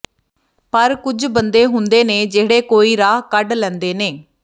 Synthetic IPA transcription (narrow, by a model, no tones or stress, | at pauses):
pəɾkʊd͡ʒbənd̪eːɦʊnd̪eːneːd͡ʒeːɽeːkoːiːɾaːɦkəɖlɛ̃ːnd̪eːneː